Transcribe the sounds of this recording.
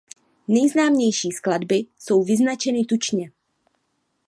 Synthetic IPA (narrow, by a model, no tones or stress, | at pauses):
nɛjznaːmɲɛjʃiːskladbɪso̞wvɪznat͡ʃɛnɪt̪ut͡ʃɲɛ